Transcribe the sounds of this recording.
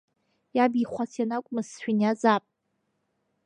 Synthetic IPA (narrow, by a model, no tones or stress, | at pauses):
jabiχʷat͡sʰjanakʷʼmɨzʃᶣinjazapʼ